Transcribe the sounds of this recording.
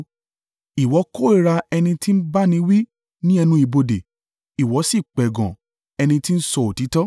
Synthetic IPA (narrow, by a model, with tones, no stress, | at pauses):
i˨wɔ˨˦ko˦e˦˨ɾa˧ɛ˧nĩ˧ti˦n̩˦ba˦nĩ˧˦wi˦ | nĩ˦ɛ˧nũ˧˦i˨bo˧de˨ | i˨wɔ˨˦si˦˨k͡pɛ˨ɡɔ̰̃˨ | ɛ˧nĩ˧ti˦n̩˦sɔ˧o˨ti˨˦tɔ˦